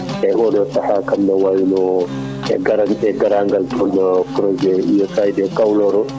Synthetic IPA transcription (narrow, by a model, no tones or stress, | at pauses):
ʔɛʔɔdɔtahakamnɔwajnɔ | ɛ̰ɡaɾanɛɡaɾaŋɡaltʰɔnɔpɾɔd͡ʒɛʔijɔkajdɛkawlɔɾɔ